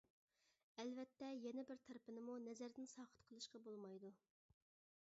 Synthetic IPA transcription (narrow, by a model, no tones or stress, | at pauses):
ɛlvɛt̪ːɛjɛnɛbɪɾt̪ʰɛɾɪpɪnɪmunɛzæɾd̪ɪnsɑːqə̥t̪qʰəlˠɨʃqɑbolˠmɑjd̪u